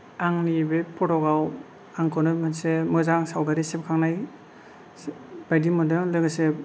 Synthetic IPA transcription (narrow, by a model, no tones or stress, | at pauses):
aŋnibepʰɔtɔɡaw | aŋkʰɔnɯmɯnsemɯzaŋsawɡaɾisepkʰaŋnaj | b̥ajdimɯndɯlɯɡɯse